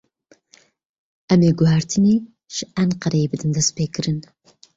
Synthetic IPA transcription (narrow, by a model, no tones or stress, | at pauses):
ʔæmeːɡʊɦaɾt̪ʰɨneː | ʒ̥ɨʔænqɐɾɐjebɨd̪ɨnd̪ɐspeːkɨɾɨn